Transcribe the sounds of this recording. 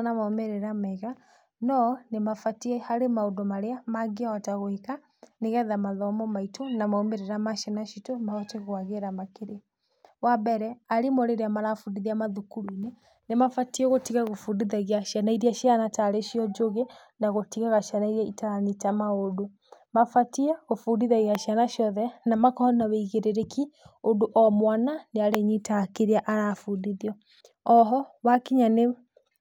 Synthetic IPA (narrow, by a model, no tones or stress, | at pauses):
namaomeɾeɾamaiɣa | nɔnemafatiɛhaɾemaodomaɾeamaɡiaɔtaɣoika | neɣɛðamaðɔmɔmaitʰonamaomeɾeɾamaʃanaʃitomaɔteɣɣwaɣeɾamakeɾe | wabɛɾɛaɾimoɾeɾeamaɾafudiðiamaðukuɾuine | nemafatiɛɣotiɣaɣofudiðaɣiaʃjanaiɾiaʃianataɾeʃjɔd͡ʒoɣe | naɣotiɣaɣaʃianaiɾaitaanitamaodo | mafatiɛɣofudiðaɣiaʃjanaʃjɔðɛnamakɔɔnaweiɣeɾeɾekʰiodoʔɔmwananeaɾeɲitakeɾiaʔaɾafudiðiɔ | ɔɦɔwakiɲane